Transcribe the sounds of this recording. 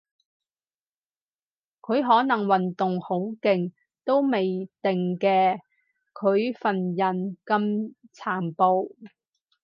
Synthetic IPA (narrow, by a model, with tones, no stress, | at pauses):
kʰɵ˨˧ɥɦɔː˨˥nɐ˨˩ŋwɐ˨nt̪ʊ˨ŋho˨˥wkɪ˨ŋ | t̪o˥wme˨jt̪ɪ˨ŋkɛː˧ | kʰɵ˨˧ɥfɐ˨˩njɐ˨˩nkɐ˧mt͡sʰaː˨˩mpo˨w